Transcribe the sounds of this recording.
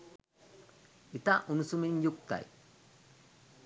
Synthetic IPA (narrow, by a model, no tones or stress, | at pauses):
it̪aʔunusumiɲjuk̚t̪a̰j